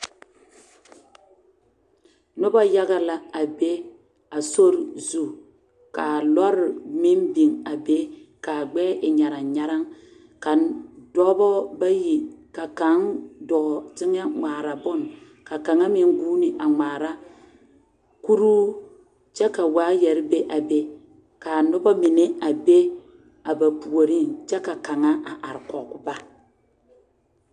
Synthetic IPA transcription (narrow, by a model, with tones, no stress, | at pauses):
nʊ˦ba˦ja˦ɡa˦la˨a˨be˦ | a˨so˦ɾzu˦˨ | ka˨lɔ˦ɾmɪ˦nbi˨ŋa˨be˦ka˨ɡ͡bɛː˦ʔɪ˨ɲa˨ɾa˨ɲa˦ɾa˦ŋ | ka˨ndɔ˦bɔ˦ba˦ji˨ka˨ka˨˦ŋdɔ˨tɪ˦ŋa˦ŋ͡maː˨ɾa˨bʊ˦˨n | ka˨ka˨ŋa˦mɪ˨ŋɡuː˦nɪ˨ʔa˨ŋ͡maː˨ɾa˦ | ku˦ɾuː˦ | t͡ʃɛ˦ka˨waː˦jɛ˨ɾɪ˦be˦ʔa˨be˦ | ka˨nʊ˦bɔ˦mɪ˨ne˦a˨be˦ | a˨ba˨pu˨o˨ɾi˦nt͡ʃɛ˦ka˨ka˨ŋa˦ʔa˨ʔa˨ɾkɔ˨kʊ˦ba˦